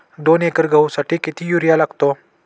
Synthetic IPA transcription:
d̪onekəɾɡʱəwsaʈʰiːkit̪ʰijuɾjalaɡt̪o

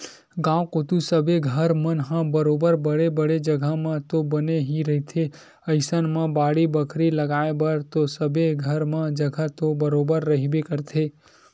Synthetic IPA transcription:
ɡãwkot̪ũsəbeɡʱəɾmənɦãbəɾobəɾbəɽebəɽed͡ʒəɡʱamãt̪obəneɦiɾəɦit̪ʰe | əjsənmãbaɽibəkʰɾiləɡaebəɾt̪osəbʱeɡʱəɾmãd͡ʒəɡʱat̪obəɾobəɾːəɦibekəɾt̪ʰe

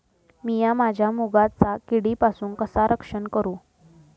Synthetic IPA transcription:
mijamad͡ʑʱjamuɡat͡sakiɽipasuːnkəsaɾʔəkʂəɳkəɾuː

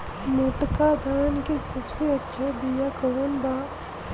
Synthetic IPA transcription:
noʈkad̪ʱaːnkesɐbseɐtːʃʰabijakəʋənbaː

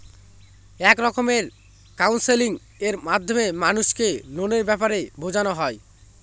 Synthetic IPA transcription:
ɛkɾɔkomeɾ | kawnseliŋ | eɾmad̪ʱːomemanuʃkenoneɾbɛpaɾebʱod͡ʑanoɦɔe

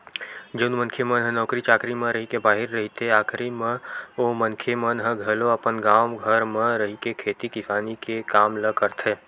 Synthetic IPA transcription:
d͡ʒonmə̃nkʰemənɦə̃nɔːkɾit͡ʃaːkɾimə̃ɾəɦikebaːɦɪɾːɐɦit̪eaːkʰɾimẽomə̃nkʰemənɦə̃ɡʱɐloɐpənɡaːmɡʱəɾmẽɾəɦikekʰeːt̪ikɪfaːnikekaːmləkəɾt̪ʰeː

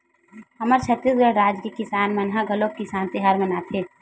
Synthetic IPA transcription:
ɦɐməɾt͡ʃʰət̪ɾisɡəɽɾaːd͡ʒkekɪsaːnmɐnɦaɡɐlokkːisaːnt̪eɦaɾmɐnat̪ʰeː

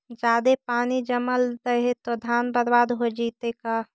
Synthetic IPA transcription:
d͡ʒaːd̪epaːnid͡ʒəməlɾəɦet̪od̪ʱaːnbəɾbaːd̪ɦod͡ʒiːt̪eka

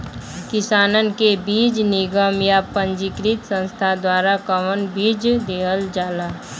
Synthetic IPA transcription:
kɪsaːnənkebiːd͡ʒnɪɡəmjapəɲd͡ʒikɾɪt̪sə̃nst̪ʰad̪waːɾakəʋənbiːd͡ʒd̪eːɦəld͡ʒaːlaː

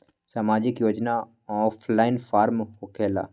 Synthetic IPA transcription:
samaːd͡ʒɪkjoːd͡ʒna | ɔːpʰlaːɪnfʰaːɾmɦokʰeːla̰

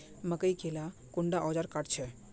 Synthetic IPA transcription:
məkəjkʰelakuɳɖaʔɔd͡ʒaɾkaʈt͡ʃʰɛ

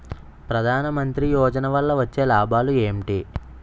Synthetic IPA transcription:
pɾɐd̪ʱaːnɐmɐnt̪ɾijɔːd͡ʒɐnɐʋɐlːɐʋɐt͡ʃːe̞ːlaːbʱaːlueːmʈi

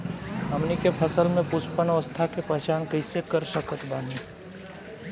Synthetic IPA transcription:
ɦɐmnikepʰəsəlmẽpʊspənəʋəst̪ʰakepɛɦt͡ʃaːnkəɪsekəɾsəkʰət̪baːni

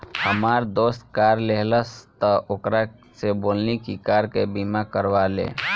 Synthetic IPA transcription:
həmaːɾd̪oːst̪̚kaːɾleɦləst̪əʔokɾa | seboːlnikikaːɾkebimakəɾʋaːlḛː

